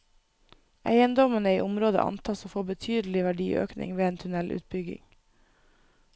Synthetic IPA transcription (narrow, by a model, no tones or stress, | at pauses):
ʔæ̰ɪənd̪ɔmənəiːʔʊmɾoːd̪ə̰ʔɑ̰nt̪ʰɑːsoːfoːbət̪ʰyːd̪l̩ɪʋæɖiːʔø̰ːknɪ̰ŋʋeːeːnt̪ʰʉnɛlʔʉ̰ːt̪̚bʏɡɪ̰ŋ